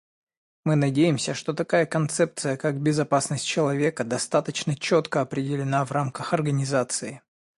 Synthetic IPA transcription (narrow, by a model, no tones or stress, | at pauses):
mɨnɐdʲejɪmsʲəʂt̪ot̪ɐkajəkɐnt̪sɛp̚t̪sɨjəkak̚bʲɪzɐpasnəsʲt̚ʲt͡ɕɪlˠɐvʲe̞kəd̪ɐst̪at̪ət͡ɕnət͡ɕot̪kəɐpɾʲɪdʲɪlʲɪnavramkəxɐrɡənʲɪzat̪sɨɪ